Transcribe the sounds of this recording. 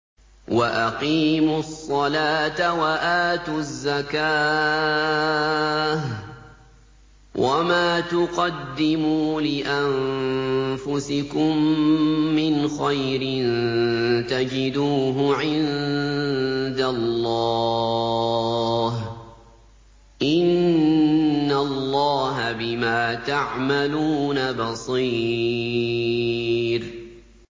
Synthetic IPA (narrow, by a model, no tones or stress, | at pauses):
waʔaqiːmʊsˤːɑlaːt̪awaʔaːt̪ʊzːakaː | h | wʔamaːt̪ʊqɑd̪ːɪmuːlɪʔam | fʊsɪkʊmː | ɪnxajɾɪn | t̪ad͡ʒɪd̪uːɦʊʕɪn | d̪alːɑ | ɦ | ʔɪnː | alːɑːɦabɪmaːt̪aʕmaluːnabɑsˤiː | ɾ